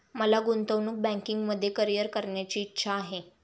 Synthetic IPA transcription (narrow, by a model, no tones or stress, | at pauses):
məlaɡunt̪əʋnuːk̚bæ̃ŋkiŋɡməd̪ʱːjekəɾijəɾkəɾɳjat͡ɕiːtːɕʰaːɦe